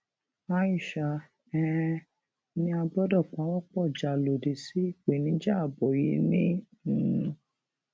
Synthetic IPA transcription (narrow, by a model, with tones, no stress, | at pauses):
a˧ji˦˨ʃa˨ | ɛ˦˧˦ | nĩ˧a˧bɔ˦dɔ˦˨k͡pa˨˦wɔ˦k͡pɔ˦˨d͡ʒa˨lo˨de˨si˦i˦˨k͡pe˨nĩ˦d͡ʒa˦˨bɔ˨ji˨˦nĩ˦˨˧